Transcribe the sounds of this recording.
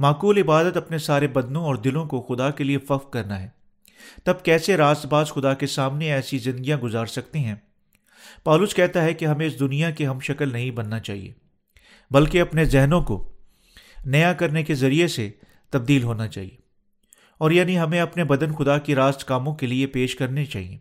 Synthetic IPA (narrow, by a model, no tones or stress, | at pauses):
maːkuːlɪbaːd̪ət̪ɐpnesaːɾebɐd̪nõɔːɾd̪ɪlõkoxʊd̪akeliefɐfqkɐɾnaɦɛː | t̪ɐb̚kɛːseɾaːst̪baːzxʊd̪akesaːmneɛːsizɪ̃nd̪ɡijãɡʊzaːɾsɐkt̪eɦɛ̃ | pɔːlʊskɛɦt̪aɦɛkeɦɐmẽɪsd̪ʊnijakeɦɐmʃɐkəlnɐɦĩbɐnːat͡ʃa̰ːɦḭḛː | bɐlkeɐpnezɛɦnõko̰ | nɐjakɐɾnekezɐɾiese | t̪ɐb̚d̪iːlɦoːnat͡ʃa̰ːɦḭeː | ɔːɾjaːniɦɐmẽɐpnebɐd̪ənxʊd̪akiɾaːst̪kaːmõkeliepeːʃkɐɾnet͡ʃaːɦḭḛ̃ː